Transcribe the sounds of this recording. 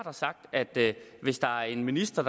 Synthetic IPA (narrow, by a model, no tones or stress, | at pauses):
d̥ɑ̈sɑ̈ɡ̥̚d̥æd̥ʋe̝sd̥ɑ̈æɐe̝nminisd̥ɐd̥